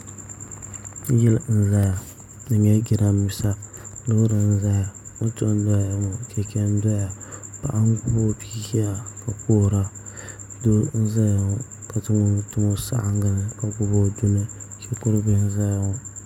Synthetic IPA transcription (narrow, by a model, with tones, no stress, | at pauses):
ji˦ln̩˦za˦ja˨ | nɨ˨ɲɛ˦ɡi˦ɾa˦m˦mi˨sa˦lɨ˦ɣɾɨ˨n˦za˦ja˨o˦to˦n˦dɔ˦˨ja˨mo˨kɛ˨kɛ˦n˦dɔ˦ja˨pa̰˨ʔa˦ŋ˦ɡʊ˦bo˦pi˦ɡɛ˦ja˨ka˨ko˦˨ɾa˦ | do˦n̩˦za˦ja˨ʊ˨ | ka˨tɨ˦ŋo˦tʊ˦ŋo˦sa̰˦ʔa˦ŋ˦ɡa˦nɨ˦ka˨ɡu˦bo˦dʊ˦nɨ˦kɛ˦kʊ˦ɾɨ˦bɨ˦n̩˦za˦ja˨ʊ˦